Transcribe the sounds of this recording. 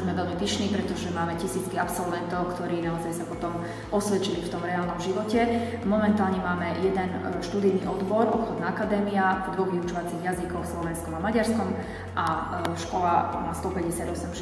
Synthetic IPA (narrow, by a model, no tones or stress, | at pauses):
zmɛʋɛʎmipiʃniːpɾɛt̪ɔʒɛmaːmɛcisiːt͡skiapsɔlʋɛnt̪ɔʊkt̪ɔɾiːnaɔzajsapɔt̪ɔm | ɔsʋɛt͡ʃilift̪ɔmɾɛaːlnɔmʒiʋɔcɛ | mɔmɛnt̪aːlɲɛmaːmɛjɛd̪ɛnʃt̪ud̪ijniːʔɔd̪bɔɾɔpxɔd̪naakad̪ɛːmiad̪ʋɔɣʋiut͡ʃɔʋat͡siɣjazikɔwslɔʋɛnskɔmamaɟaɾskɔm | ʔa | ʃkɔlamaːst̪ɔpɛɟɛsɪad̪ɔsɛm